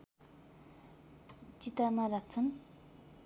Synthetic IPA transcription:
t͡ɕit̪amarak̚t͡sʰan

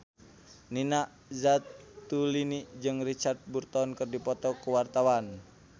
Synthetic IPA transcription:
ninaʔ | zat̪ːulinid͡ʒɨŋrit͡ʃart̪̚burt̪ɔnkərdipɔt̪ɔkuwart̪awan

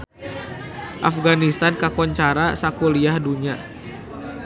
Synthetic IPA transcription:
ʔafɡanist̪ankakɔɲt͡ʃaɾasakuliahduɲa

